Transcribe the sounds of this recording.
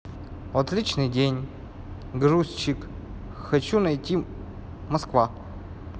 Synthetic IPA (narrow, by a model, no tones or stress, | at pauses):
vɐt̪lʲit͡ɕnɨjdʲenʲ | ɡɾusʲt͡ɕːɪk | xɐt͡ɕunɐjtʲi | mɐskva